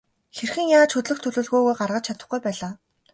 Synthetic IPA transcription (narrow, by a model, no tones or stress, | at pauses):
xerxɘ̆ŋjaːt͡ɕxɵt̪ɮɵ̆xt̪ʰɵɮɵːɮɣuːɣujɢarʁə̆t͡ɕt͡ɕʰat̪ə̆χɡujpæːɮaː